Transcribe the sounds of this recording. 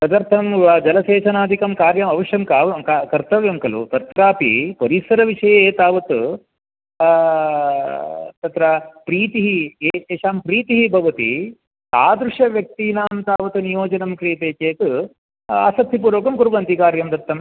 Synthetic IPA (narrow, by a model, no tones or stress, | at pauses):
t̪ɐd̪ɐɾt̪ʰɐmʋaːd͡ʒɐlɐseːt͡ʃɐnaːd̪ʱikɐmkaːɾjɐmɐʋɐʂjɐmkaːʋɐkakɐɾt̪ɐʋjɐmkɐlṵt̪ɐt̪ɾaːpḭpɐɾisɐɾɐʋiʂɐjɐeːt̪aːʋɐt̪u | t̪ɐt̪ɾɐpɾiːt̪iɦieeːʂaːmpɾiːt̪iɦibʱɐʋɐt̪ḭ | ta̰ːd̪ɾuʂɐʋjɐk̚t̪iːnaːmt̪aːʋɐt̪unijoːd͡ʒɐnɐmkɾiːt̪eːkeːt̪ɨ | a̰ːsɐt̪ʰːipuːɾoːkɐmkuɾʋɐnt̪ikaːɾjɐmd̪ɐɾt̪ʰːɐm